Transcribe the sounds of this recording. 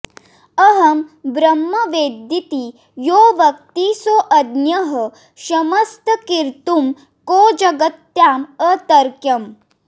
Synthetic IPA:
ɐɦɐmbɾɐmːɐʋeːd̪it̪i | joːʋɐk̚t̪isoːʔɐd̪njɐɦə | ɕɐmɐst̪əkiɾt̪um | koːd͡ʒɐɡət̪jaːmət̪ɐɾkjɐm

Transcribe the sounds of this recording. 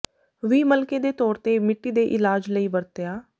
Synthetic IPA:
ʋiːməlkeːd̪eːt̪ɔːɾt̪eːmɪʈːiːd̪eːʔɪlaːd͡ʒləiːbəɾt̪eaː

